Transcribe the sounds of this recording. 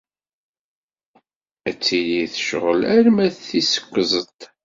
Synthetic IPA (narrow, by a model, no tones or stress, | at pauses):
æt͡sːiliθə̥ʃʁəlæɾmæðθisə̥kʷːəzˤət̪